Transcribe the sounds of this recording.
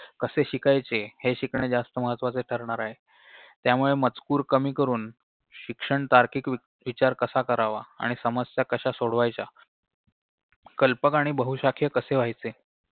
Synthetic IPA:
kəseɕikajt͡seheɕikɳed͡zast̪əməɦət̪ʋat͡seʈʰəɾɳaɾaɦe | t̪jamuɭemət͡skuːɾkəmiːkəɾuːn | ɕikʂəɳt̪aɾkiːki | ʋit͡ɕaɾkəsakəɾaʋaa̰ɽ̃isəməstjakəɕasoɽʋajt͡ɕa | kəlpəkaɽ̃ibəɦuɕakʰjəkəseʋ̤ajt͡se

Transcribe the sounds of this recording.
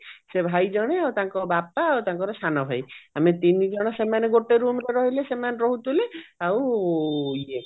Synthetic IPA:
sebʱajd͡ʒɔɽ̃eawt̪ãŋkɔbapaːwt̪aŋkɔɾesanɔbʱajamet̪inid͡ʒɔɽ̃ɔsemaneɡoʈeɾumɾeɾɔɦilesemaneɾɔɦut̪ʰuleaw | e

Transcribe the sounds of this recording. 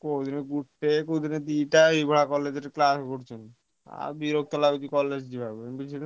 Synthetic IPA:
kod̪ineɡuʈːekod̪ined̪iʈaibʱaɽakɔlːed͡ʑeɾklasɡoɾt͡ɕʰen | a̰ɾbiɾok̚t̪ɔlabid̪ikɔlːed͡ʑdibʱabenbit͡ʃʰine

